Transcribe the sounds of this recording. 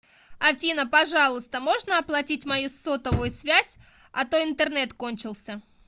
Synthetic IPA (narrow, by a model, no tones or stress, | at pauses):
ɐfʲinəpɐʐɑlˠʊst̪əmo̞ʐnəɐplˠɐtʲitʲmɐjusot̪əvʊjʊsvʲæzʲ | ɐt̪oɪnt̪ɨrnɛt̪ko̞nʲt͡ɕɪlˠsʲə